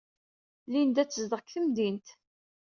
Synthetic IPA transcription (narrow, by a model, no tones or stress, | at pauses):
lind̪æt͡sːəzd̪əʁkθəmd̪int̪